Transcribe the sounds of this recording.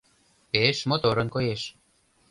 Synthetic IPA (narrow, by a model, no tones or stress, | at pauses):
peʃmot̪oɾɤ̆nkojeʃ